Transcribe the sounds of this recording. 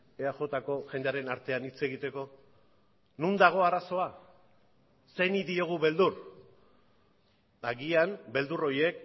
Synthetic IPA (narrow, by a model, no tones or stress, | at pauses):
eaʝo̞t̪ako̞ʝend̪eaɾe̞naɾt̪e̞anit͡se̞ɣit̪e̞ko̞ | nund̪aɣ̞o̞aɾaso̞a | se̞niðio̞ɣ̞uβe̞ld̪ur | aɣianbe̞ld̪uro̞je̞k